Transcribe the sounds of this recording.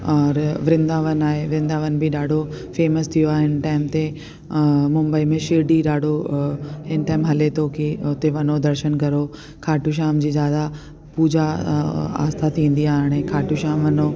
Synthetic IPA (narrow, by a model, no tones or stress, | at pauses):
ɔːɾʋɾɪ̃nd̪aːʋənaːɦeʋɾɪ̃nd̪aːʋənbɪɗaːɖʱo | feːməst̪ʰijoaːɦɪnʈaːɪmt̪e | mʊ̃mbəimẽʃɪɾɖiɗaːɖʱo | ɦɪnʈaːɪmɦɐlet̪ʰoːkiʊt̪eʋɐnod̪ɐɾʃənkɐɾo | kʰaːʈuʃ̬aːmd͡ʑiːzjaːd̪a | puːd͡ʑa | a̰ːst̪ʰat̪ʰĩːn̆d̪iaːɦɪɽ̃ẽkʰaːʈuʃaːmʋɐno